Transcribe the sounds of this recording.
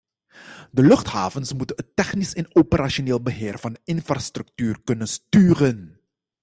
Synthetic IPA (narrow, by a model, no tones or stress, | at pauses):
dəlɵχtha̰ːvənsmutənətːɛχnɪsɪnopəɾaʃoneːlˠbəɦɪːrvɑndəɪnfraːstrɵk̚tyːrkɵnənstyːrən